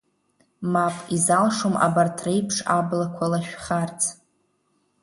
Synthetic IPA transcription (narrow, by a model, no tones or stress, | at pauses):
mapʼizalʂomʔa̰bartʰrejpʰʂablakʷʰalaʃᶣχart͡sʰ